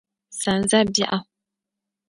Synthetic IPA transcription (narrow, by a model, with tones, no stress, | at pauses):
sa˨n˦za˦bi˦ʔa˦